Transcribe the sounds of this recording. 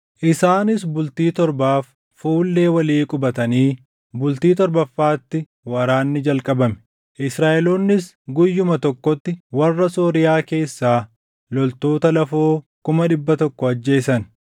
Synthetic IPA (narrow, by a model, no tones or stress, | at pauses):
ʔɪsaːnɪs̬bʊlt̪iːt̪ɔɾbaːfː | uːlːe̞ːwɐliːkʼʊbɐt̪ɐniː | bʊlt̪iːt̪ɔɾbɐfːaːt̪ːɪ | wɐɾaːnːɪd͡ʒɐlkʼɐbɐmɛ̥ | ʔɪsɾaːʔɛloːnːɪs | ɡʊjːʊmɐt̪ɔkːɔt̪ːɪwɐrːɐsoːɾɪjaːke̞ːsːaː | lɔlt̪o̞ːt̪ɐlɐfoːkʊmɐɗɪbːɐt̪ɔkːɔɐd͡ʒːe̞ːsɐn